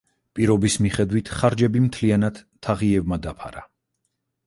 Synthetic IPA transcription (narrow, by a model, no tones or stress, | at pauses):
pʼiɾɔbismiχɛd̪wit̪ʰχaɾd͡ʒɛbimt̪ʰlianad̪̥ʰaʁiɛvmad̪apʰa̰ɾa̰